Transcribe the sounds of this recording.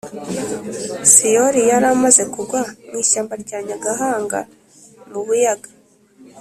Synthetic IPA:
sijoɾijaɾamaze̞kuɡwamŋiːʃaːmbaɾɟaːɲaɡaɦaːŋɡa̰ | muβujaɡḁ

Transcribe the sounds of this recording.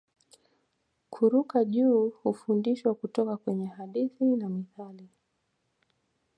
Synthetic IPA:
kʰuɾukaʄuːhufundiʃwakutɔkakwɛɲɛhaɗiθinamiθali

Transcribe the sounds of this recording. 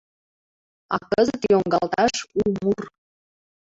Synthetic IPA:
ɑ̰kəzət̪joŋɡɑlt̪ɑʃumur

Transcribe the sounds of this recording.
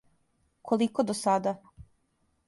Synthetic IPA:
kʰolikod̪osad̪a

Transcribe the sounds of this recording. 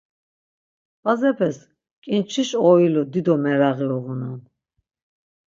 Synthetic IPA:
bazɛpʰɛs | kʼint͡ʃʰiʃɔilɔd̪id̪ɔmɛɾaɣilɔɣunan

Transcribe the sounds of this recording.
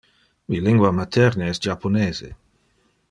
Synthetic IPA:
wiliŋɡwamat̪ʰɛɾneɛsd͡ʒapʰoneːzḛ

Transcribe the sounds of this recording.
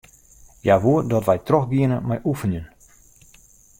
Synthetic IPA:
jaʋuədɔtʋɛjtroxɡiənəmajʔufənjən

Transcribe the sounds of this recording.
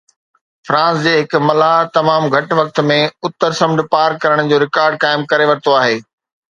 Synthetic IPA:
fɾãːsd͡ʑeːɦɪkmɐlat̪ɐmaːmɡʱɐʈʋɐk̚t̪mẽʊt̪ːəɾsɐ̃mɖpaːɾkɐɾəɽ̃d͡ʑoːɾɪkaːɾɖ̚kaːɪmkɐɾeʋɐɾt̪oaːɦeː

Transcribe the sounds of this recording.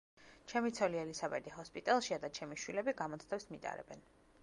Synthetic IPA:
t͡ʃʰɛmit̪sʰɔliɛlisabɛd̪iɦɔspʼit̪ʼɛlˠʃiad̪at͡ʃʰɛmiʃwilɛbiɡamɔt̪sʰt̪ʰɛsmit̪ʼa̰ɾɛ̰bɛn

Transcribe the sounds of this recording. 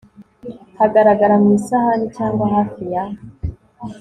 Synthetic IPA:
haɡaɾaɡaɾamŋisahanicaːŋɡwaɦafija

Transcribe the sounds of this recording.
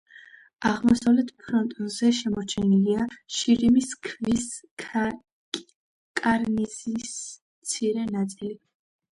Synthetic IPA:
aʁmɔsavlɛt̪ʰpʰɾɔnt̪ʼɔnzɛʃɛmɔɾt͡ʃʰɛniliaʃiɾimiskʰvis | kʼaɾnizismt̪sʰiɾɛnat̪sʼili

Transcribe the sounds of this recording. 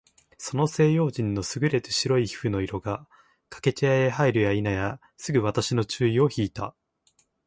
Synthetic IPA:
so̞no̞se̞ːjo̞ːʑĩnːo̞sɨɡɯ̟ɾe̞t̪ɯɕiɾo̞içi̥ɸɯ̟no̞iɾo̞ɡa | kḁke̞t͡ɕijaeɦaiɾɯ̟jainaja | sɨɡɯ̟βat̪aɕino̞t͡ɕɨːio̞çiːt̪a̰

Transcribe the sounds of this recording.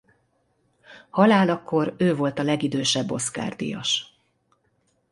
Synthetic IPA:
hɒlaːlɒkːo̞ɾøːvo̞lt̪ɒlɛɡid̪øːʃɛbːo̞ska̰ːrd̪ḭjɒ̰ʃ

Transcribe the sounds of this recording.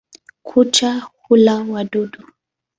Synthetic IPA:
kʰut͡ʃahulawaduɗu

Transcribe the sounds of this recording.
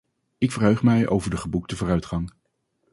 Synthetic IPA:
ɪkfərɦøɥχmɛjo̰wvəɹdəχəbuk̚təvʊːrœɥtχɑŋ

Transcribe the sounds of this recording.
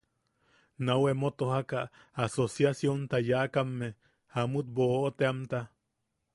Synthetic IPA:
nawemot̪ohakaː | sosjasjont̪ajaʔkamːe | hamut̪̚boʔʔot̪eamt̪a

